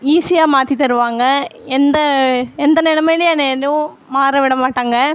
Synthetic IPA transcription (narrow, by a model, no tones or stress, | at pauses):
iːsɪjaːmaːt̪ːit̪ːɐɾɯʋaːŋɡɐɛnd̪ɐɛnd̪ɐnɪɽɐmɐɽɪjɐneðɯʊ̃ | maːɾɐʋɪɽɐmaːʈːaːŋɡɐ